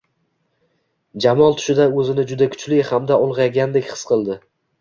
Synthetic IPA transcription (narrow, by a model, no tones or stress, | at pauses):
d͡ʒamɒlˠt̪ʰʊ̥ʃɪd̪aɵzɪnɪd͡ʒʊd̪akʰʊ̥t͡ʃlɪjhamd̪aʊlˠʁɑjɡʲand̪ekʲχɨ̥sqʰɨlˠd̪ɪ